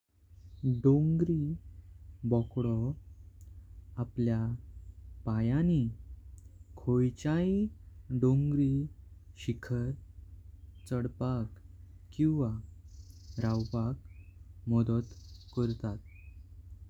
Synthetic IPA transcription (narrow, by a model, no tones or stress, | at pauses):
ɖõŋɡɾi | bɔkɽɔ | aplja | pajani | kʰojt͡ɕaiɖoŋɡɾi | ɕikʰəɾ | t͡səɽpak | kːĩw̃ʋa | ɾawpakmɔd̪ət̪kəɾt̪at̪̚